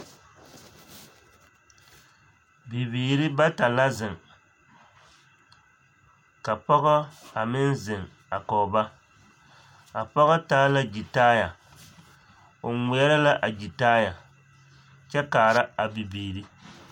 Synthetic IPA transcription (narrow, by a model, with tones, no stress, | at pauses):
bi˨biː˨ɾi˦ba˦ta˨la˦zɪ˨ŋ | ka˨pɔ˦ɣa˦a˨mɪ˦nzɪ˨ŋ | a˨kɔ˨ba˦ | a˨pɔ˦ɣa˦taː˦la˦d͡ʒi˨taː˦ja˨ | o˨ŋʷi˨˦ɛ˦ɾa˦la˦ʔa˨d͡ʒi˨taː˦ja˨ | t͡ʃɛ˦kaː˨ɾa˦a˨bi˨biː˨ɾi˦